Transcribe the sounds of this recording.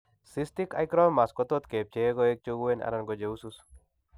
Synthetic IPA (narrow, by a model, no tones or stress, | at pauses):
sist̪ikajkɾɔnmaskɔt̪ɔt̪kep̚t͡ʃeɡɔek̚t͡ʃoɡuena̰ɾanɡɔd͡ʒeusus